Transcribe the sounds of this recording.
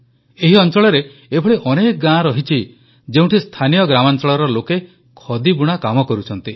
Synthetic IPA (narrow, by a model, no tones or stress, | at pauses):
eɦiɔnt͡ʃɔɭɔɾeː | bʱɔɭiʔɔnekɔɡãɾɔɦit͡ʃʰi | d͡ʒeũʈʰist̪ʰanijɔɡɾamant͡ʃɔɭɔɾɔloke | kʰɔd̪ibuɽ̃akamɔkɔɾut͡ʃʰɔnt̪i